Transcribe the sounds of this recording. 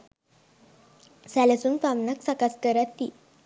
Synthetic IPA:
salasunfamnaksakaskəɾat̪ːi

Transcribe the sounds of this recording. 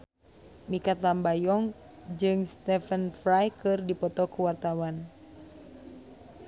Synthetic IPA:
mikat̪lambajɔŋ | d͡ʒɨŋst̪ɛfənfɾajkʰɨrdipɔt̪ɔkuwart̪awan

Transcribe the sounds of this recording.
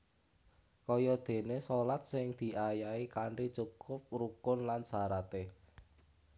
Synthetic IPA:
kɔjɔd̪̥e̤nesɔlat̪̚sɪŋd̪̥i̤ʔajaikaɳrit͡ʃukʊp̚rukʊnlansaɾat̪e

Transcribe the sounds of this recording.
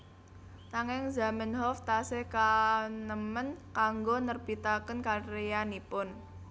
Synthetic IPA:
naŋɛŋza̤mənɦɔft̪asehkanəmənkaŋɡonərb̥it̪akənkaɾejanipʊn

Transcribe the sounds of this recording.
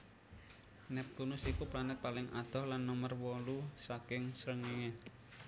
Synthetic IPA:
nɛp̚k̪unʊsikuplanɪt̪̚palɪŋa̰d̪̥ɔ̤hlanːəmərwɔlusakɪŋsɾəŋeŋe

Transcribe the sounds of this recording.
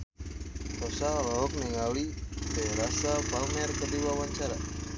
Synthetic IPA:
tɔsaɔlɔɦɔk̚niŋalidɛɾasapamɛrkədiwawaɲt͡ʃaɾa

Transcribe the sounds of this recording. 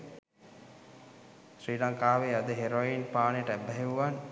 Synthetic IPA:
sɾiːɖaŋkaːʋead̪əɦeɾoinpaːnejʈəæbːɛɦeʋuʋan

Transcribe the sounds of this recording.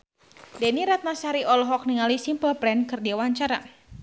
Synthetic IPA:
dɛniɾat̪̚nasaɾiʔɔlɔɦɔk̚niŋalisimpəlplɛnkɨrdiawaɲt͡ʃaɾa

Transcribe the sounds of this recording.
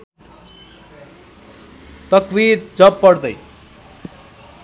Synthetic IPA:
t̪ʌkbiɾd͡zʌpːʌɽd̪ʌj

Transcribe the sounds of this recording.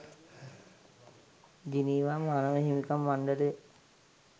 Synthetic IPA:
d͡ʒiniːʋamanəʋəɦimikamːanɖəle

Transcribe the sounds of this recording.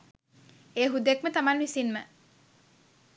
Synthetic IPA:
eːɦud̪ekmət̪amanʋisinmə

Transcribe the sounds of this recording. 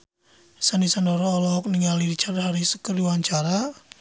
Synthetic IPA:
sanisanɔɾɔːlɔk̚niŋalidit͡ʃaɾaɦaɾisə̥kəriwaɲt͡ʃaɾa

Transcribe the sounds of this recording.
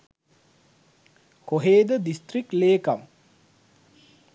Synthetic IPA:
koɦeːd̪əd̪ist̪rik̚leːkam

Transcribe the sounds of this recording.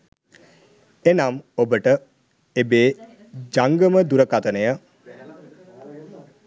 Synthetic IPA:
enamobəʈə | ebeː | d͡ʒaŋɡəməd̪uɾəkat̪ənəjə

